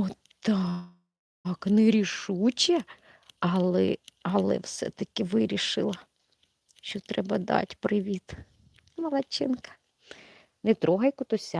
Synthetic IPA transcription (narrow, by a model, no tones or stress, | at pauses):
ɔ | t̪ɑ | knɛɾʲiʃut͡ʃɛ | ɐlˠɛɐlˠɛ̰wsɛ̰t̪ɐkɪʋɪɾʲiʃɪlˠɐ | ʃɔt̪ɾʔɛbɐd̪ɑ̰tʲpɾɪʋʲit̪ | mɐlˠɐt͡ʃɪnkɐ̥ | nɛt̪ɾɔɦɐjkʊt̪ɔsʲa